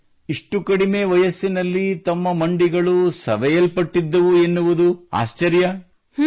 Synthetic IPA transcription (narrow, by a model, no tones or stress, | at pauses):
iʂʈukɐɽime̞ːʋɐjɐsːinɐlːit̪ɐmːɐmɐɳɖiɡɐɭusɐ̰ʋɛjɐlpɐʈːid̪ːɐʋuenːuʋud̪ua̰ːʃt͡ʃɐɾjɐ